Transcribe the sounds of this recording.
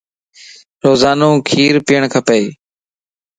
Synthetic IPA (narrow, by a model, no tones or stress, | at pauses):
ɾoːzaːnõːkʰiːɾpɪjəɳkʰəpeeː